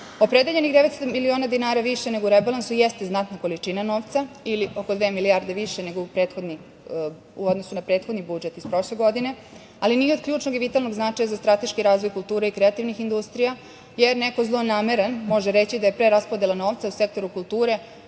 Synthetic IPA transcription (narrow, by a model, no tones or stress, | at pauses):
o̞pɾe̞d̪eʎe̞nixd̪eʋet̪st̪omilioːnad̪inaːɾaʋiʃeneɡouɾebalˠansujɛst̪eznat̪nako̞lit͡ʂinano̞ːʋt̪sailio̞kod̪ʋe̞ːmiliaɾd̪eʋiʃene̞ɡoupɾe̞ːt̪xo̞d̪ni | uod̪nosunapɾeːt̪xo̞d̪nibud͡ʒet̪ispɾo̞ʃleɡo̞d̪ine̞ | alinio̞d̪̚kʎuːt͡ʃnoɡiʋit̪alno̞ɡznat͡ʂajazast̪ɾat̪e̞ʃkiɾaːzʋo̞jkulˠt̪uːɾeikɾeat̪iʋnixind̪ust̪ɾija | jeɾneko̞zlˠonaːme̞ɾenmo̞ʒeɾet͡ɕid̪ajepɾeɾaspod̪elano̞ːʋt̪sause̞k̚t̪o̞ɾukulˠt̪uːɾe̞